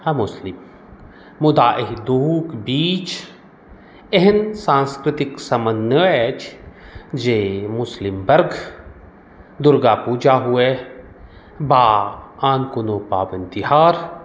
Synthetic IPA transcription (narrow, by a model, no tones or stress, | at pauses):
ɐmʊslɪmː | ʊd̪aːʔɪɦd̪uːkbiːt͡ʃ | eɦɪnsãːnskɾɪt̪ɪksɐmənːəɛt͡ʃʰ | d͡ʒeːmʊslɪmbɐɾɡ | d̪ʊɾɡaːpuːd͡ʒaːɦue | baːaːnkʊnoːpa̰ːbənt̪iɦaːɾ